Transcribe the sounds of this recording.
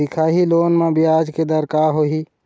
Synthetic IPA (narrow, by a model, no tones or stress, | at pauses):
ɪkʰaːɦiloːnmẽbʱiaːd͡ʒked̪əɾkaːɦoɦiː